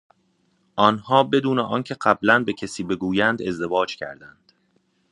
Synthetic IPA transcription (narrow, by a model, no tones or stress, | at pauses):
ʔɒːnhɒːbe̞d̪uːneʔɒːncʰe̞ɢæblænbecʰesiːbe̞ɡuːjænd̪e̞zd̪e̞vɒːd͡ʒcʰæ̰ɾd̪ænd̪̥